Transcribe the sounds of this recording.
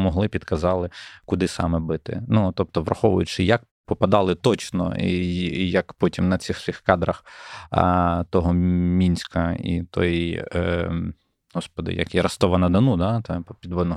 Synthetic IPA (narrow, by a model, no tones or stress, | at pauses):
mɔɦlˠɪpʲid̪kɐzɑlˠɪkʊd̪ɪsɑ̰mɛbɪt̪ɪ̰nut̪ɔp̚t̪ɔʋrʔɐ̰xɔʋʊ̰jʊt͡ʃɪjɐk̚ | pɔpɐd̪ɑlˠɪt̪ɔt͡ʃnɔ̰ijɐkpɔtʲimnɐt͡sʲɪxsʲixkɑd̪ɾɐx | t̪ɔɦɔmʲinʲsʲkɐḭt̪ɔ̰j | ɦɔspɔd̪ɪ̰jɐ̰kiɾɐst̪ɔʋɐnɐd̪ɐnud̪ɑt̪ɛppʲid̪ʋɔd̪nɔ